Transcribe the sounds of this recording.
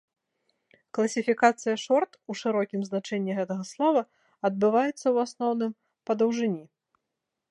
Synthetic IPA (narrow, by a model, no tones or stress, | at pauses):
klˠɐsʲifʲikat̪sɨjɐʂɔrt̪uʂɨɾɔkʲimznat͡ʂɛnʲːiɣɛt̪ɐɣɐslˠɔvɐ | ɐd̪̚bɨvajɛt̪sːɐwasnɔwnɨm | pɐd̪ɐwʐɨnʲi